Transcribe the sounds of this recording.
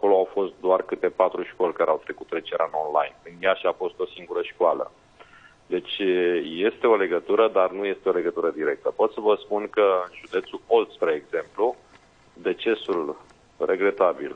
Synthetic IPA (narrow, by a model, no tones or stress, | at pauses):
ako̞lo̞awfo̞st̪̚d̪oarkɨt̪e̞pat̪ɾuʃko̞lʲkaɾeawt̪ɾe̞kut̪ɾe̞t͡ʃeɾʔa̰no̞nla̰jnkɨnd̪jaʃiafo̞st̪o̞siŋɡuɾəʃkwalə̰ | d̪e̞t͡ʃʲje̞st̪e̞o̞le̞ɡət̪uɾəd̪arnuje̞st̪e̞o̞le̞ɡət̪uɾəd̪iɾe̞k̚t̪əpo̞t̪səvəspunkəɨnʒud̪e̞t̪suo̞lt̪spɾeːɡz̥e̞mplu | d̪e̞t͡ʃe̞sul | rʔe̞ɡɾe̞t̪abḭl